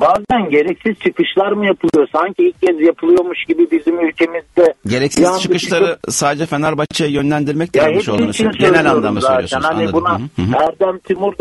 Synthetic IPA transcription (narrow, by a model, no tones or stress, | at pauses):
baːzænɟe̞ɾɛcsiz̥t͡ʃʰɯkɯʃlˠaɾmɯjapʰɯlˠɯjo̞saɲcʰiilʲc̚ːɛzjapʰɯlˠɯjo̞ɾmuʃɟibibizimylʲcʰe̞mizd̪ɛɟe̞ɾɛcsizḁt͡ʃʰɯkɯʃlˠaɾɯsaːd̪ed͡ʒɛfenaɾbat͡ʃʰajajø̞nlʲænd̪iɾmɛc̚t̪aɦeʃolˠanɾɯsinisøenɛlʲanlˠamasoaːjosænhanibunaæɾd̪æmt̪ʰimuɾd̪